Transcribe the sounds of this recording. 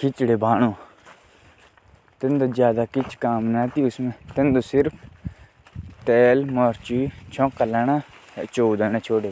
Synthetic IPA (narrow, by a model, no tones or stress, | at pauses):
kʰɪt͡ʃɽeːbʱaːɳoː | t̪ɪnd̪oːzjaːd̪aːkɪt͡ʃʰkaːmnat̪iːʊsmɛ̃ːt̪end̪oːsɪɾpʰ | t̪ɛːlmɔːɾt͡ʃiːt͡ʃʰɔ̃ːkalɛːɽaːt͡ʃoːd̪əːɳ̃ãːt͡ʃʰoːɖeː